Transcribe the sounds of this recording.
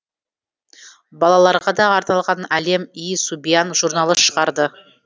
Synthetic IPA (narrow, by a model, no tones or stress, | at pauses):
bɑlˠɑlˠɑɾʁɑd̪ɑːɾt̪ɑlˠʁɑnæle̞mijsubijanʒuɾnɑlˠəʃə̥ʁɑɾd̪ə